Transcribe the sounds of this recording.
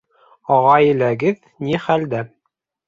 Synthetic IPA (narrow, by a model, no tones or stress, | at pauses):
ɑʁɑjɘ̆læɡɘð | niχæld̪æ